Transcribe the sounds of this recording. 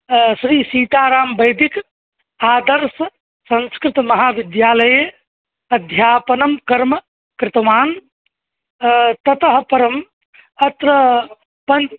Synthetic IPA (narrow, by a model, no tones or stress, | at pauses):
sɾiːsiːt̪aːɾaːmbɐjd̪ik | aːd̪əɾs | sɐ̃nskɾɪt̪mɐɦaːʋid̪jaːlɐje | ɐd̪ʱjaːpɐnɐmkɐɾmɐ | kɾɪt̪maːn | t̪ɐt̪əɦpɐɾɐm | ɐt̪ɾə | pɐn